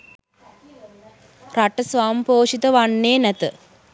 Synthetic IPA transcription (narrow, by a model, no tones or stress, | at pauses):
raʈəsʋaːmpoːʂit̪əʋanːeːnæt̪ə